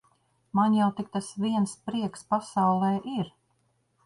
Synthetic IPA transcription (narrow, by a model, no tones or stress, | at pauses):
manjawt̪ik̚t̪asviɛnspɾiɛkspasawlˠɛjʔiɾ